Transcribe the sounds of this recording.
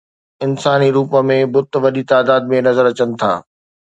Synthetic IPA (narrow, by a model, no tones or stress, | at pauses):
ɪnsaːniɾuːpəmẽbʊt̪ʋɐɗit̪aːd̪aːd̪̚mẽnɐzəɾɐt͡ɕənɪ̆t̪ʰa̰ː